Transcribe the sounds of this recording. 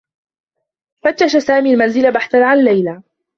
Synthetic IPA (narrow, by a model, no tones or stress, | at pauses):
fat̪ːaʃasaːmiːlmanzɪlabaħθanʕanlːajla